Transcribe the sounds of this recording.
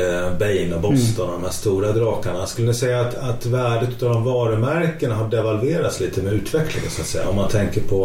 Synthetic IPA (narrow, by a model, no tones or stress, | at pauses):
bɛjnabɔst̪ənɔd̪ɔmhæːst̪uːɾad̪ɾɑːkaɳaskɵlənɪsɛjːaːt̪at̪væːɖət̪ʉt̪avd̪ɔmvɑːɾəmæɾkənɦaɖɛvalveːɾat̪sliːt̪əmɛʉ̟ːt̪ʰvɛkʰlɪ̰ŋə̰nsɔat̪sɛ̰jːa̰ɔmːant̪ʰɛŋkəɾpʰɔ